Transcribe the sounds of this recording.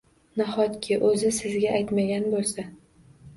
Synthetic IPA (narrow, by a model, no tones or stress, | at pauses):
nahɒt̪kʲʰɪʔɵzɪsɪzɡʲaʔajt̪maɡʲanbolsa